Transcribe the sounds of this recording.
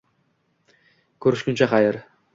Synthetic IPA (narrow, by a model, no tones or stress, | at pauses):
kʲʰɵɾɪʃkʲɪnt͡ʃʰaχɑjɪɾ